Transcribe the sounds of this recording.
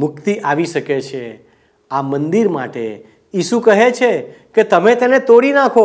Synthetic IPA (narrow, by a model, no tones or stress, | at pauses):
mʊkt̪iʔaʋiʃəket͡ʃʰe | amənd̪iɾma̰ʈḛ | iʃukəɦet͡ʃʰe | ket̪əmet̪enet̪oɽinakʰo